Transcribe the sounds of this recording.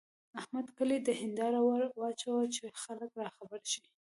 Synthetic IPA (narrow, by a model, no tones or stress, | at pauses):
ahmad̪kəlid̪əhɪnd̪ɑɾawaɾwɑt͡ʃawət͡ʃexaləkɾɑxabəɾʃi